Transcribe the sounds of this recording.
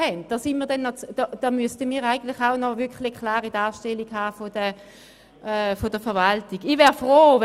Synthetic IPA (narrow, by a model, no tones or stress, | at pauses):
hɛnt̚d̥ɑːsinmiːɐdɛnːɔt͡sd̥ɔd̥ɑmyəstəmiːʁaɪɡən̩tlɪχaʊnɔvɪkχlɪkʰlaːʁidaːʃtɛliɡhaːfodə | fod̥əfɛɐvaltiɡɪvɛːʁfʁoːv